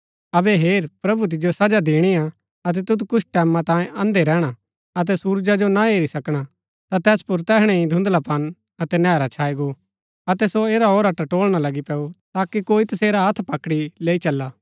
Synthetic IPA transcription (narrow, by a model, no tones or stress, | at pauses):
ɐbɛɦeːɾpɾɐbut̪̬ɪd͡ʒjosɐd͡ʒad̪eːɽ̃ia | ɐt̪̬ɛt̪ʊt̪̬kʊsʰʈɛːmãt̪ãːjẽʔɐ̃nd̪eɾɛːɽ̃a | ɐt̪̬ɛsuːɾd͡ʒad͡ʒonaeːɾisɐkɽ̃a | t̪at̪ɛːspʊɾt̪ɛːɦɽ̃ẽĩd̪ʱʊ̃nd̪lapɐn | ɐt̪ɛnɛːɾat͡ʃʰaːiɡo | ɐt̪ɛsoeːɾaoːɾɐʈaʈoːɭɽ̃alɐɡipɛːut̪aːkikoːit̪ɐseːɾaɦɐt̪ʰpɐkɽileːit͡ʃɐlːaː